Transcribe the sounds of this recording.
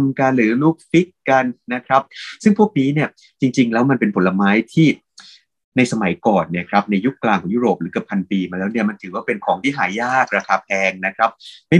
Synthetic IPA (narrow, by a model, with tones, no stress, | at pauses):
mka˧nɾɯː˨˩˦luː˥˩k̚fi˦˥kːa˧nːa˦˥kʰɾa˦˥p̚sɯ˥˩ŋpʰu˥˩k̚niː˦˥ni˥˩ɐ | t͡ɕi˧ŋt͡ɕi˧ŋlɛː˦˥wma˧npe˧npʰo˩˦la˧maː˦˥jt̪ʰiː˥˩ | na˧jsa˧ma˩˦jkɔː˨˩nːi˥˩ɐkʰɾa˦˥p̚na˧jːu˦˥kːlaː˧ŋkʰɔː˩˦ŋjuː˦˥ɾoː˨˩p̚ɾɯː˩˦ka˨˩pʰːa˧npiː˧maː˧lɛː˦˥wni˥˩ɐma˧nt̪ʰɯː˩˦waː˥˩pe˧nkʰɔː˩˦ŋt̪ʰiː˥˩ɦaː˩˦jaː˥˩k̚ɾaː˧kʰaː˧pʰɛː˧ŋna˦˥kʰɾa˦˥p̚ma˥˩